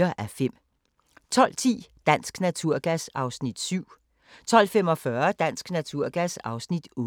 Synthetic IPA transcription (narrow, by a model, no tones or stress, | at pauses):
ɐʔæfem̰ | t͡sʰɒ̽l̰t͡sʰḭːd̥æn̰sɡ̥næt͡sʰuɐ̰ɡ̥æsɑ̈ʊsnid̥syʊ̰ | t͡sʰɒ̽l̰fem̰ɒ̽fɶɐd̥æn̰sɡ̥næt͡sʰuɐ̰ɡ̥æsɑ̈ʊsnid̥o